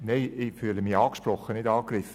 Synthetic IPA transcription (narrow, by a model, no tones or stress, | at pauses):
neɪɪfyːləmiɑːkʃprɔχːənɪdɑːkrɪfə